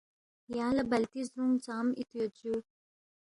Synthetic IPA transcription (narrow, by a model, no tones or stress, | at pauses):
jaːlɐbɐlt̪isɾuŋt͡ʃaːmit̪jot͡ɕu